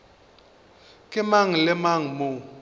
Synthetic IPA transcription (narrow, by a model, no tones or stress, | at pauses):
kʼɪmaŋ̩lɪmaŋ̩mo